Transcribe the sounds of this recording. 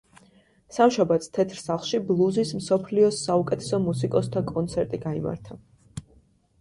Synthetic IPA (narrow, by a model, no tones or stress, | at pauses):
samʃabat̪st̪ʰɛt̪ʰɾsaχlˠʃiblˠuzismsɔpʰliɔsaukʼɛt̪ʰɛ̥sɔmusikʼɔst̪ʰakʼɔnt̪sʰɛɾt̪ʼiɡaima̰ɾt̪ʰa